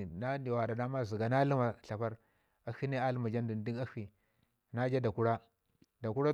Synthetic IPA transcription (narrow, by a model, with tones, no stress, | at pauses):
na˦di˨wa˨da˨da˦ma˦zi˨ɡa˨na˦li˦ma˨ɬa˨pa˦ɾ | a˨hi˦ne˦a˦lma˨d͡ʒa˦n˦du˨ndi˦ɡa˦xi˨ | na˦d͡ʒa˦da˨ku˦ɾa˦ | da˨ku˦ɾa˦